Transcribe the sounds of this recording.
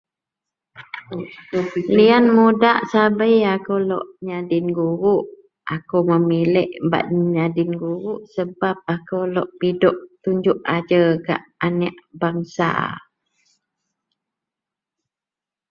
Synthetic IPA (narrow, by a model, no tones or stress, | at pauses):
lianmudaʔsabəjakowlɔ̰ʔɲadɪnɡuɾuʔ | akowməmilɛʔba̰ʔɲadɪnɡuɾuʔsəbap̚akowlɔʔpidɔʔt̪uɲd͡ʒuʔad͡ʒəɡa̰ʔanaʔbaŋsa̰